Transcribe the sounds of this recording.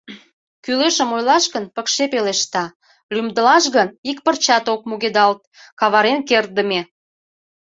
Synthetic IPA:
kyleʃəmojlɑʃɣənpəkʃepeleʃt̪ɑ | lymd̪əlɑʃɣənik̚pərt͡ɕɑt̪ok̚muɣed̪ɑlt̪̚ | kɑβɑɾenker̚d̪əme

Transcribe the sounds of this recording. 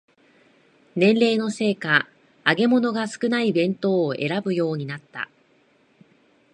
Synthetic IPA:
nẽ̞nɾe̞ːno̞se̞ːka | aɡe̞mo̞no̞ɡasɨ̥kɯ̟naibẽ̞nt̪o̞ːʔe̞̰ɾabɯ̟jo̞ːɲ̟inat̪ːa̰

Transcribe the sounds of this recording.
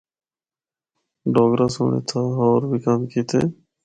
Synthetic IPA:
ɖoːɡɾaːso̰ːɳḛːt̪ʰaːɦoːɾbʱiːkaːmkiːt̪ʰḛː

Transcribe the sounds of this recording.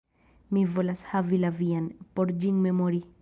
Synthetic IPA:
mivo̞lashavilavianpo̞ɾd͡ʒiŋme̞moɾi

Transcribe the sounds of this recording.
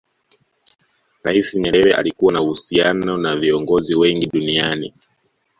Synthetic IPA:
ɾaisiɲɛɾɛɾɛʔa̰likuwanauhusianɔnaviɔŋɡɔziwɛŋɡiɗunianḭ

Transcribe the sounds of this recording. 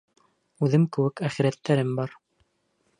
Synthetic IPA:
ʉðɘmkɘ̆wɘkæχiɾæt̪ːæɾɘmbɑɾ

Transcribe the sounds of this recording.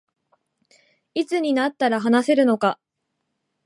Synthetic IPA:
it͡sɨɲ̟inat̪ːaɾaɦanase̞ɾɯ̟no̞ka

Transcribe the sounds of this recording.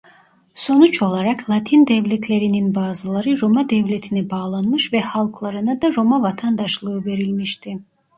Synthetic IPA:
sonut͡ʃʰolˠaɾakʰlˠat̪ʰind̪ɛvlɛt̪ʰlɛɾininbaːzalˠaɾɯɾɔmad̪ɛvlɛt̪ʰinɛbaːlˠanmɯʃvɛhalˠkʰlˠaɾɯnad̪aɾomavat̪ʰand̪aʃlˠɯːvɛɾilmiʃt̪ʰi

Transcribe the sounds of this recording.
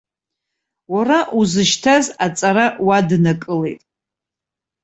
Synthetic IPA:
waɾaʔuzɨʃtʰazat͡sʼaɾawadnakʼɨle̞jtʼ

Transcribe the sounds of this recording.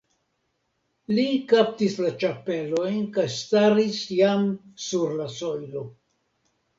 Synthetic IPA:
likap̚tislat͡ʃape̞lo̞jnkajstaɾisjamsuɾlaso̞jlo̞

